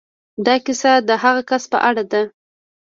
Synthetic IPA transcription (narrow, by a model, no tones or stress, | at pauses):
d̪ɑkɪsad̪əɦaɣakaspə̰ʔaɽad̪a